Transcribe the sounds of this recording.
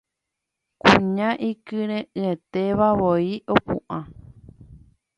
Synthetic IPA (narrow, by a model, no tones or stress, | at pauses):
kũɲãʔikɨɾ̃ẽʔɨẽt̪eʋaʋoiʔopṵ̃ʔã